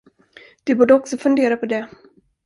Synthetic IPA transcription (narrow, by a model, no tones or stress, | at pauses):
d̪̥ɛbuːɖəɔksɔfɵnd̪eːɾapʰɔd̪ɛ